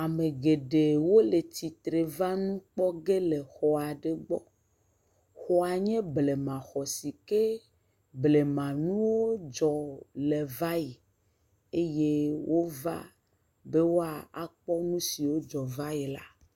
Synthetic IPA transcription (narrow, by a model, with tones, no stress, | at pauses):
a˨mẽ˨ɡe˨ɖe˨wo˦le˨ti˨t̪ɾe˨va˦nũ˦k͡pɔ˦ɡe˦le˨xɔ˨a˨ɖe˦ɡ͡bɔ̰˦ | xɔ˦a˨ɲɛ̃˦ble˨mã˨xɔ˨si˨ke˦ | ble˨mã˨nũ˦wo˦d͡ʒɔ˨lɛ˨va˦ji˨ | e˦je˦wʔo˦va̰˦ | be˦wo˦a˨a˦k͡pɔ˦nũ˦si˨wo˦d͡ʒɔ˨va˦ji˨la˦